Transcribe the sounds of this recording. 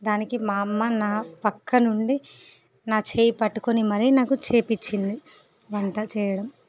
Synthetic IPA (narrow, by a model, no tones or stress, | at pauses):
d̪aːnikimaːmːɐnaːpɐkːɐnuɳɖi | naːt͡ʃeːjipɐʈːu̥konimɐɾinaːkut͡ʃeːpit͡ʃːind̪i | ʋɐɳʈɐt͡ʃɛːjɐɽɐm